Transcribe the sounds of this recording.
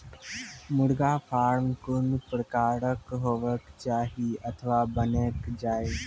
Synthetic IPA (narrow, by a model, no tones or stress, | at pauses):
mʊɽɡaːfʰaːɾmkʊnpɾəkaːɾəkɦoːʋəkt͡ʃaːɦiət̪ʰəʋabəneːkd͡ʒaːe